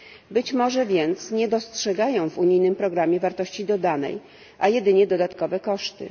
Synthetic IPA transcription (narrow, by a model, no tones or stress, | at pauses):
bɘt͡ɕmɔʐɛvʲjɛnt̪sɲɛd̪ɔstʂɛɡajɔ̃w̃vuɲijnɘmpɾɔɡɾamʲjɛvaɾt̪ɔɕt͡ɕid̪ɔd̪anɛ̰j | ʔajɛd̪ɘɲɛd̪ɔd̪at̪kɔvɛkɔʂt̪ɘ̰